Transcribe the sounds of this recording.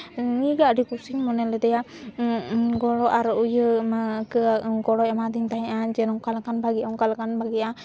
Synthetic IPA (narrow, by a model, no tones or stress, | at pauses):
ŋiɡaʔɾikusiŋmɔnɛlɛd̪ɛja | ɡɔlɔʔaɾɔʔujəkəɡɔɽɔjamad̪int̪aɦɛ̃ʔad͡ʒɛnɔkalkanbaɡɛʔaŋkalkanbaɡɛʔa